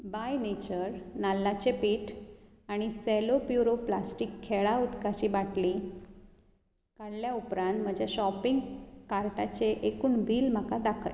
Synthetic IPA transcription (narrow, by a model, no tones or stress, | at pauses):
bajnet͡ɕəɾnalːat͡ɕepiːʈ | aɽ̃iselopjuɾoplasʈikʰːeɭaud̪kat͡ɕibaʈli | kaɽljaupɾãnt̪m̤əd͡ʑjaɕɔpiŋɡkaɾʈat͡ɕeʔekuːɳbʱiːlm̤əkad̪akʰəɾ